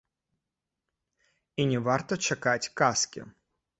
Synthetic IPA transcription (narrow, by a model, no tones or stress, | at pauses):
inʲɛvart̪ɔt͡ʃɛkatʲkaskʲɪ̰